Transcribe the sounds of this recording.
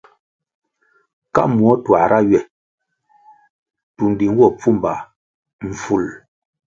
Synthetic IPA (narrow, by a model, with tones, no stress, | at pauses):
ka̰˦mwɔ˦twa˨ɾʔa˦ɥɛ˨ | tu˨n˨di˨ŋ˦wɔ˦˨p͡fu˦˨mba˨ | m̩˨fu˨l